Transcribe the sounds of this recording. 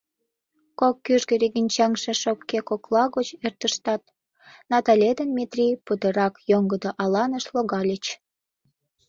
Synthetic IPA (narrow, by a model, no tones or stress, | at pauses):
kokːyʒɡəɾiɣinʲt͡ɕɑŋʃĕʃokːekoklɑɣot͡ɕert̪əʃt̪ɑt̪̚ | nɑt̪ɑlʲed̪ənmʲet̪rʲiput̪ə̆ɾɑkjoŋɡəd̪oʔɑlɑnəʃloɣɑlʲet͡ɕ